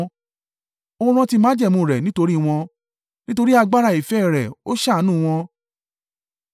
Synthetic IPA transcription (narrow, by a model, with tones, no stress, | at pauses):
o˧˦ɾ̃ã˧ti˧mãː˨˦d͡ʒɛ˦˨mũ˨ɾɛ˨nĩ˦to˧ɾi˦w̃ɔ̃˧ | nĩ˦to˧ɾi˦a˧ɡ͡ba˦ɾa˧˨i˨fɛ˦˨ɾɛ̰˨o˦ʃa˦˨˦nũː˦˨˧w̃ɔ̃˧